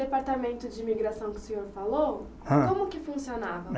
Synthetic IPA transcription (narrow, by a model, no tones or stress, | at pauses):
d̪epaɾt̪amẽnt̪ʊd͡ʒɪimiɡɾasɐ̃w̃kɪʊ̥sẽɲoɾfalo | ãkõmʊkɪfũsionavɐ